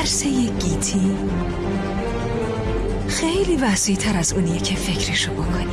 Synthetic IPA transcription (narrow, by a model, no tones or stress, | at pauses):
ɾsejeɟ̥it̪ʰi | xejliːvæsijt̪ʰæɾæzuːnijecʰefe̞cʰɾiʃobokʰoni